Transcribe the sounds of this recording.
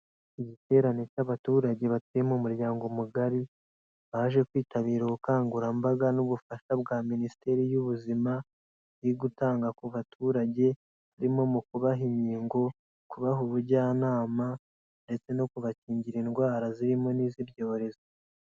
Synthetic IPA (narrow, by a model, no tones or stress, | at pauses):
iɟite̞ːɾane̞caβatuːɾaɟe̞βatiemomuɾɟaːŋɡo̞muɡaɾi | βaːʒe̞kwiːtʰaβiːɾoβukaːŋɡuɾambaɡanuβufaʃabɡaːminisi̥te̞ɾijuβuzima | iɡutaːŋɡakuβatʰuːɾaɟe̞ | βaɾimo̞mukuβaɦiɲiːŋɡo̞ | kuβaɦuβuɟaːnaːma | nde̞t͡se̞no̞kuβaciːɲɟiɾinɡwaːɾaziɾimo̞niːzibjo̞ːβɾe̞zo